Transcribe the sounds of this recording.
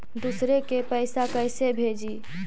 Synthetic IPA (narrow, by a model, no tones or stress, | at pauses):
d̪usɾekepəɪsakəjsebʱed͡ʒi